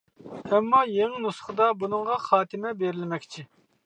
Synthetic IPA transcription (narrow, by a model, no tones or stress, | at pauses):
ɛmːɑjeŋnusə̥χəd̪ɑbunɨŋʁɑχɑːt̪ʰɪmɛbeɾɪlɪmɛkʲt͡ʃʰi